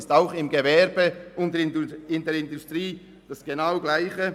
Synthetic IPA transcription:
staʊχɪmɡevɛɾb̥əʊndɪndɛɾɪndustɾiː | d̥ɑsɡ̥enaʊɡlaɪçə

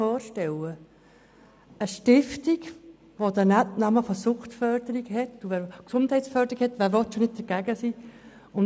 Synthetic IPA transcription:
ɔːɾʃtɛlə | əʃtɪftiɡ | ʋod̪ənætnɑməfɔsʊχtfœɾd̥̪əɾiɡhɛtːuʋɛɾksʊndhɛɪtsfœɾdəɾiɡkhɛt̪ʋæːɾʋɔt̪ʃonɪd̚d̥̪əɾɡ̥æɡəsi | ʊn

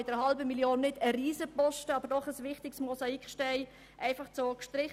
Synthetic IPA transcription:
ɪd̥əhɑlbəmiljoːnːɪdəriːzəpɔʃtəɑbəɾdɔχəsʋɪχtɪksmɔsɑikχʃtɛɪ | ʔæɪfɑχt͡sokʃtrɪχ

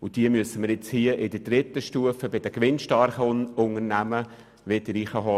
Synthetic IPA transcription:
ʊd̥iəmyəsːəməɾjɪt͡shiəʔɪd̥̪əd̥ɾɪt̪ːəʃtuəfəbɪd̥̪əkʋɪnʃtɑrχəʊŋərnæmə | ʋɪd̪əɾiːχəɦɔ

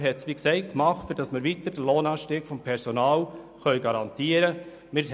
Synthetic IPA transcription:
ɦɛtsʋiːksɛɪt̚kmɑχtfyɾdɑsməɾʋit̪əɾd̥əloːnɑːʃtiːɡ̥fɔmpʰɛɾsɔnɑːlχœʏɡɑɾɑnt̪iːəɾə | mɪ

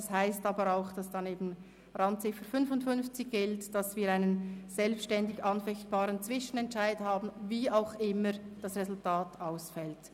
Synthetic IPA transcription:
shaɪstɑːbəɾaʊxd̥ɑsd̥ɑneːbn̩ | ʁɑntt͡sɪfəfʏnfʊntfʏnft͡sɪçɡ̥ɪltd̥ɑsviːɐɾaɪnənz̥ɛlpʃtɛndɪɡɑnfɛçt̚b̥aːɾənt͡sv̥ɪʃən̩ɛntʃaɪdhaːbn̩viːaʊxɪməd̥ɑsʁezʊltʰaːtaʊsfɛlt

